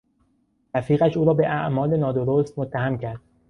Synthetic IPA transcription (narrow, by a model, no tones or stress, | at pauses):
ɾæfiːɣæʃuːɾɒːbe̞ʔæʔmɒːlenɒːd̪oɾoːst̪mot̪ʰːæhæmcʰæɾd̪̥